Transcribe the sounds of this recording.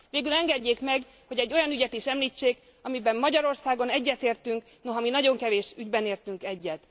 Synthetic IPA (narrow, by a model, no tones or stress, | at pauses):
veːɡylɛŋɡɛɟːeːkmɛɡ | ho̞ɟɛɟːo̞jɒnyɟɛt̪iʃɛmliːt͡ʃːeːk | ɒmibɛmmɒɟɒɾo̞rsaːɡo̞nɛɟːɛt̪eːrt̪yŋk | no̞ɦɒminɒɟo̞ŋkɛveːʃyɟbɛneːrt̪yŋkɛɟːɛt̪